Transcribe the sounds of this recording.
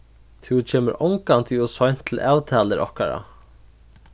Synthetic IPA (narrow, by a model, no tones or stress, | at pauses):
t̪ʰuwt͡ʃʰeːmɪɾɔwŋkant̪ʰɪʊsɔjn̥t̪ʰɪlʔaːwt̪ʰaːlɪɾʔɔ̰hkaɾa̰